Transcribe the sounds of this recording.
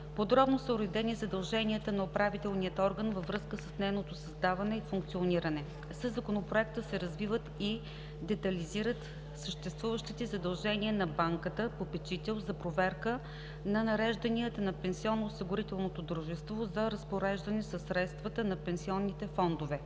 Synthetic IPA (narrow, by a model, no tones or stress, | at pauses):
pod̪ɾɔbnosəuɾɛd̪ɛnizɐd̪ɐlˠʒɛniət̪ənɐopɾavit̪ɛlˠniət̪ɔɾɡənvɐvɾɤskəsəsnɛjnot̪osɐzd̪avɐnɛifuŋk̚t̪sioniɾɐnɛ | səzɐkonopɾoɛk̚t̪əsɛɾɐzvivət̪i | d̪ɛt̪ɐliziɾət̪ | səʃt̪ɛst̪vuvəʃt̪it̪ɛzɐd̪ɐlˠʒɛniənɐbaŋkət̪əpopɛt͡ʃit̪ɛlˠzɐpɾovɛɾkə | nɐnɐɾɛʒd̪ɐniət̪ənɐpɛnsiɔnːoːsiɡʊɾit̪ɛlˠnot̪od̪ɾuʒɛst̪vozɐɾɐspoɾɛʒd̪ɐnɛsɐsːɾɛt̪st̪vɐt̪ənɐpɛnsiɔnːit̪ɛfɔnd̪ovɛ